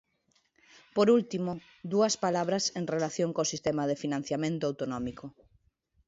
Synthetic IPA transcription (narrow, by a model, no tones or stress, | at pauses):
poɾult̪imʊ | ðuɐspalaβɾɐseŋrelaθjoŋkosist̪emɐðefinãn̟θjamẽnt̪ʊawt̪onɔmiko